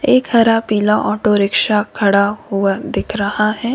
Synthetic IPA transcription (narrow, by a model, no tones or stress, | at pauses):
eːkhɐɾapiːlaʔɔːʈoɾɪkʃakʰɐɽahuad̪ɪkʰɾɐhaɦɛː